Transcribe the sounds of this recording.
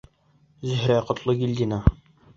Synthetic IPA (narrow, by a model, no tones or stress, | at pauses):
zɵ̆ɦɾæqŏt̪lˠɤɡilʲd̪ʲinɑ